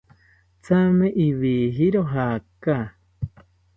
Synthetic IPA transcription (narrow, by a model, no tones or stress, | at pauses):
t͡samẽʔiβiːɦiɾoɦaka